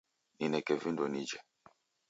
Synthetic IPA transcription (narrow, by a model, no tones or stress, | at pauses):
ninɛkɛvindonid͡ʒɛ